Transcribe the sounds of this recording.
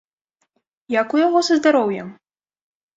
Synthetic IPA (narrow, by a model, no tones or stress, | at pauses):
jakujaɣɔsɐzd̪aɾɔwjɛm